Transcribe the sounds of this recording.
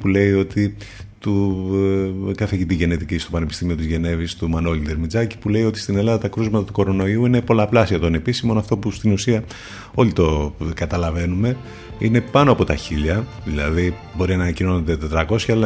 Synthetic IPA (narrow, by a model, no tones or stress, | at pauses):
pule̞io̞t̪i | t̪u | kɐfeʝit̪iʝe̞net̪iciist̪o̞pɐnepist̪imio̞t̪izʝe̞ne̞vist̪umɐnolid̪eɾmid͡zɐci̥pule̞io̞t̪i̥st̪ine̞lɐðɐt̪ɐkɾuzmɐt̪ɐt̪u̥ko̞ɾo̞no̞iuine̞po̞lɐplɐsiɐt̪one̞pisimo̞nɐft̪o̞pust̪inusiɐ | o̞lit̪o̞kɐt̪ɐlɐve̞nume̞ | ine̞pɐno̞ɐpo̞t̪ɐçiʎɐ | ðilɐði | bo̞ɾiɐnɐnɐcino̞ned̪e̞t̪e̞t̪ɾɐko̞sçɐlɐ